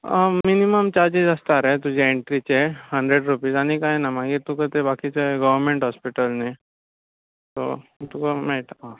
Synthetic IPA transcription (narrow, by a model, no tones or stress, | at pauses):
miniməmt͡ɕaɾd͡ʑid͡zəst̪aɾet̪ud͡ʑʱeeɳʈɾit͡ɕehəɳɖɾeɖɾupiːzanikaenamãɡiɾt̪ukot̪ebakit͡ɕeɡəʋəɾmeɳʈɦɔspiʈəlne | t̪o̰t̪ukomeʈã